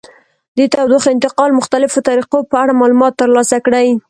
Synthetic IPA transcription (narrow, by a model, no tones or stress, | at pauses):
d̪et̪awd̪oxɪnt̪ɪqɑlmʊxt̪alɪfot̪aɾiqopəaɽamɑlumɑt̪ːəɾlɑsakɽaj